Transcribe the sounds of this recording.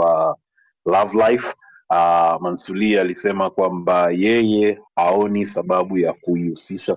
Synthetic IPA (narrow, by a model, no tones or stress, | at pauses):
a | lavlajf | mansulialisɛmakwambajɛjɛhaɔnisaɓaɓujakuiusiʃa